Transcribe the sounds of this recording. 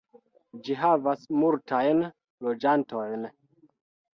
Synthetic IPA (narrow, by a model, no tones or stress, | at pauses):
d͡ʒiɦavasmultajn | lo̞d͡ʒanto̞jn